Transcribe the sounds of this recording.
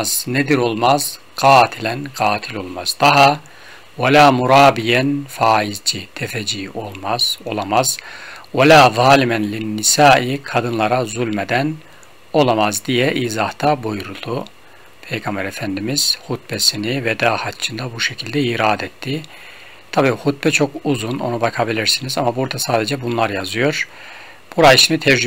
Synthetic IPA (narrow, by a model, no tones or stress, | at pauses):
z̥ned̪iɾo̞lˠmaz | ɡ̥aːt̪ʰilʲænɡaːt̪ʰilʲo̞lˠmaz̥d̪aɦa | walaːmuɾaːbijɛnfaːizd͡ʒit̪ʰɛfɛd͡ʒiːo̞lˠmaz̥o̞lˠamaz̥walaːðˤɑːlimænlinːisaːʔikʰad̪ɯnlˠaɾazulʲmed̪æn | o̞lˠamazd̪ijɛʔiːzaht̪ʰabojuɾulˠu | pʰejɡambæɾefænd̪imiz̥hut̪̚bɛsinivɛd̪aːhat͡ʃʰɯnd̪abuʃecʰilʲd̪ɛiɾaːd̪ɛt̪ʰːi | t̪ʰabiːhut̪̚bɛt͡ʃʰo̞kuzuno̞̰nubakʰabilʲiɾsinizamabuɾd̪asaːd̪ed͡ʒɛbunlˠaɾjazɯjo̞ɾ | b̥uɾajiʃinit̪ʰɛɾd͡ʒ